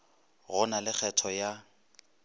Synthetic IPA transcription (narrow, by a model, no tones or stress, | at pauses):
ɣʊnalɪk͡xʰɛtʰɔja